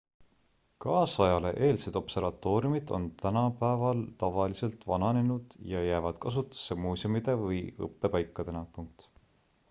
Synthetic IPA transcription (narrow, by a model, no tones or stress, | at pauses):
kɑːsɑjɑle̞̰ʔe̞ːlse̞d̪̥o̞pse̞ɾvɑt̪ːˑo̞ːɾjumid̪̥o̞̰nt̪ænɑpæevɑlt̪ɑvɑlise̞lt̪vɑnɑnenud̪̥jɑjæːvɑd̪̥̚kɑs̬ut̪ːˑu̥sːemuːsomid̪e̞vɤjɤ̰pːe̞pɑjkːˑɑd̪̥e̞nɑpuŋk̚t̪